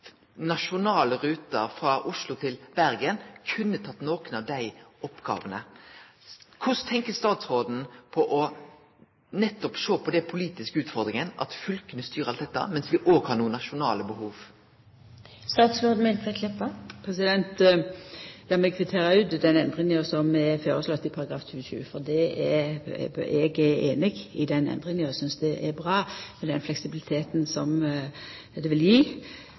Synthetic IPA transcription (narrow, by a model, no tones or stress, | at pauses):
nɑʂʊnɑːləɾʉːt̪əɾfɾɑʔʊʂlʊt̪ʰɪlb̥æɾɡənkʰʉnːət̪ʰɑt̪ːnoːkənɑʋd̪æɪɔpɡɑ̰ːʋənə | kʰʊst̪ʰɛŋkəst̪ɑːt̪sɾoːd̪n̩pʰɔʔɔ | nɛt̪ːɔpʂoːpʰɔd̪ɛpʰʊliːt̪ɪskəʉːt̪fɔɾd̪ɾɪŋənɑ̰t̪fʏlkənəst̪yːɾəɑlt̪ɛt̪ːɑ̰mɛnsʋɪʔoːɡhɑːɾnuːənɑʂʊnɑːləbəɦuːʋ | st̪ɑːt̪sbɔd̪mɛnt̪ʁɛk̪ʰlɪpːəpʰʁɛsɪd̪ɛnt̪ | jɑːmɛɡkʰfɪt̪ʰeːʁəʉd̪d̪ɛnɛnd̪ʁɪŋosɔmɛføːɾəslɔt̪ːɪpʰɑɾɑɡɾɑːfɕʰʉːəʃʉ̰ːfɔd̪ɛɛ | ɛɡɛeːnɪɡɪd̪ɛnɛ̰nd̪ʁɪŋənɔsʏnsd̪ɛʔɛbʁɑːmɛd̪ɛnflɛksɪbɪlɪt̪ʰeːt̪nsɔm | d̪ɛʋɪljiː